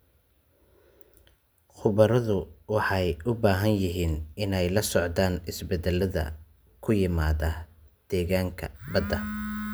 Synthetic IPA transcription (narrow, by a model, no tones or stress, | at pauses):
χʊβɐɾɐðʊwɑħɑjʔʊbaːɦɐnjɪɦiːnɪnɛjlɐsɔʕd̪aːnɪsbɛd̪ɛlːɐðɐ̰ | kʰʊjɪmaːðɐ | d̪̥ɛːɣaːŋkʰɐ̰bɐd̪ɐ